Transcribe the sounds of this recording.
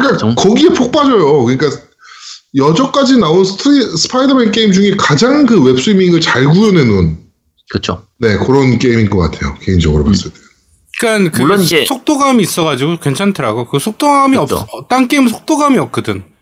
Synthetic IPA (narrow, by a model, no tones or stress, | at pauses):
kɯik͈akʌɡie̞pʰok̚p͈ad͡ʑʌjokɯɲik͈a | jʌd͡ʑʌk͈ad͡ʑinaonsʰtʰisʰɯ̥pʰaidʌmenk͈e̞imd͡ʑuŋe̞kad͡ʑaŋkɯwe̞p̚s͈uimiŋɯɭt͡ɕaɭɡujone̞nun | kɯt͡ɕʰone̞kɯɾʌnk͈e̞iminɡʌk͈atʰe̞jo̰ke̞ind͡ʑʌɡɯɾo̰pa̰s͈ɯɭt͈e | ik͈ankɯsʰok̚t͈oɡamiːs͈ʌɣad͡ʑiɡukwe̞nt͡ɕʰantʰɯɾaɡokɯsʰok̚t͈oɡamiʌpsʌt͈aŋnk͈eimsʰo̥k̚t͈oɡamiʌp̚k͈ɯdɯn